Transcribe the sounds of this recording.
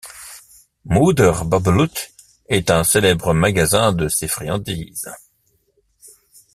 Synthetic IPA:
mud̪əʁbablut̪ | ɛt̪ɛ̃selɛbʁəmaɡazɛ̃d̪əsefχiɑ̃d̪iːz

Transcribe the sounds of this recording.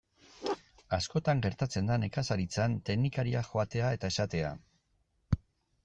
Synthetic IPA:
asko̞t̪aŋɡe̞ɾt̪at͡se̞nd̪ane̞kasaɾit͡sant̪e̞knikaɾiaxo̞at̪e̞ae̞t̪ae̞sat̪e̞a̰

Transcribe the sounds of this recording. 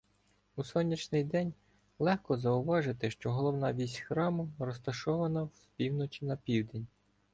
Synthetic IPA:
usɔnʲːit͡ʃnɪjd̪ɛnʲ | lˠɛxkɔzɐʊʋɑʒɪt̪ɪʃt͡ʃɔɦɔlˠɔwnɑʋʲisʲxɾɑmʊrɔst̪ɐʃɔʋɐnɐwspʲiwnɔt͡ʃʲinɐpʲiwd̪enʲ

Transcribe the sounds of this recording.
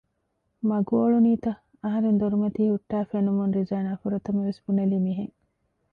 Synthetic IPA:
mɐɡuoɭuniːt̪ɐ | ɐɦɐɾend̪oɾumɐt̪iːhuʈːæːfenumunɾizaːnaːfuɾɐt̪ɐmɐʋesbunɐliːmiɦeŋ

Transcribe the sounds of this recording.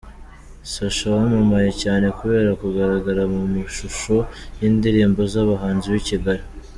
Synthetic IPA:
saʃawamumaje̞caːne̞kuβe̞ːɾakuɡaɾaɡaɾamumuʃuʃo̞jiːndiɾiːmbo̞zaβaɦaːnziβiciɡaɾi

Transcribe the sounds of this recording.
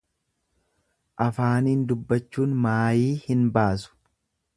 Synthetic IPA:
ʔɐfaːniːnd̪ʊbːɐt͡ʃːuːnmaːjiːhɪnbaːs̬ʊ̥

